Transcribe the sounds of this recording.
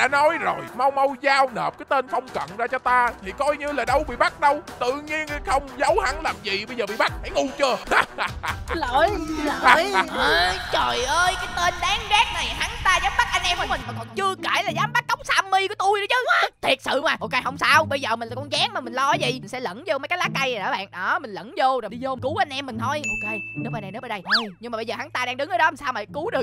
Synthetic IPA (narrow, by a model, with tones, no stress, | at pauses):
ɗa̰ː˧˥nɔ˨˦jzo˨˩jma˧wmə˧wzaː˧wnəː˨˩p̚kaː˨˦jt̪e˧nxə˧wŋ͡mkə̰˧˨nzaː˧t͡ɕɔ˧t̪aː˧t̪ʰi˨˩kɔ˧jɲɨ˧laː˨˩ɗə˨˦wɓḭ˧˨ɓa˦˥t̚ɗə˧wt̪ɨ̰˧˨ɲi˧ən˧xə˧wŋ͡mzə˨˦wha˨˩˦ŋlaː˨˩mzḭ˨˩ɓə˧jzəː˨˩ɓḭ˧˨ɓa˦˥t̚ha˧˩˦jŋu˧t͡ɕɨ˧ə | ləː˧˨jləː˨˧˨jʔəː˨˧t͡ɕə˨˩jʔəː˧jkaː˨˦jt̪e˧nɗaː˨˦ŋɣaː˦˥k̚na˨˩jha˨˦ŋt̪aː˧zaː˨˦mɓa˦˥t̚k̚ʔa˧jnʔɛ˧mkːmi̟˨˩maː˨˩kɔ̰˧˨˩nt͡ɕɨ˧əke˧˩laː˨˩zaː˨˦mɓa˦˥k̚ːə˦˥wk͡p̚saː˧mːi˧ku˧˩t̪u˧jɗɨ˨˦t͡ɕɨ˨˦t̪ʰi˨˩t̚sɨ̰˧˨maː˨˩ʔo˧ke˧jhə˧wŋ͡msaː˧wɓə˧jzəː˨˩mi˨˩nla˨˩kɔ˧˩nzaː˨˦ŋma˨˩mï˨˩ŋ̟lɔ˧˨˦zḭ˨i˨˩ŋ̟sɛ̰˧˥lə̰˧˥nzo˧mə˨˦jkaː˨˦jlaː˦˥k̚ːa˧ja˨˩ɗə̰ː˧˦ɓa̰ː˧˨nɗɔ˨˦mï˨˩ŋ̟lə̰˧˥nzo˧zɗi˧zo˧˨˩ku˨˦wʔa˧jn̟ʔɛ˧mːï̟˨˩t̪ʰo˧jʔo˧ke˧jne˨˦wmaː˨˩na˨˩jnə˨˦ɓə˧˦˩ɗə˧jɲɨ˧ŋmaː˨˩ɓə˧jzəː˨˩ha˨˦ŋt̪aː˧ɗaː˧ŋɗɨ˨˦ŋʔəː˨˦ɗɔ˨˦mi˨˩saː˧wmaː˨˩ku˨˦ɗɨ˨˩ək